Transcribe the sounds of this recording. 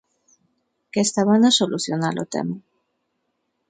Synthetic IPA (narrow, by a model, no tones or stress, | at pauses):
kest̪aβanasoluθjonalo̰t̪ḛma